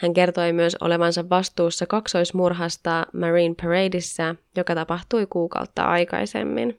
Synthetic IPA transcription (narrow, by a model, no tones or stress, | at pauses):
hæŋke̞rt̪o̞jmyøso̰le̞ʋɑnsɑʋːɑst̪uːsːɑkɑkso̞jsmurɦɑst̪ɑmɑriːnpʰeɹejdisːæjo̞kɑt̪ɑpɑxt̪ujkuːkɑ̰wt̪ːɑ̰ʔɑjkɑ̰jse̞̰mːḭn